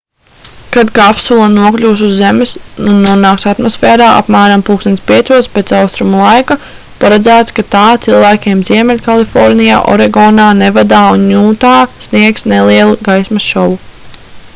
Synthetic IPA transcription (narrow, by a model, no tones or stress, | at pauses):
kad̪kaapsulˠanuɔklʲuːsuzːemɪsnunːuɔnaːksat̪mɔsfɛːɾaːʔa̰pmæːɾampuːksɛnsʲpʲiɛt̪suɔspet̪sawst̪ɾumulˠajka | paɾad̪zæːt̪skat̪aːt̪silˠvæːkʲeɛmziɛmɛlʲkalˠifɔɾnija̰ːʔɔ̰ɾɛɡɔːnaːnevad̪aːunjuːt̪aːsniɛksnelˠiɛlˠuɡajsmasʃɔvu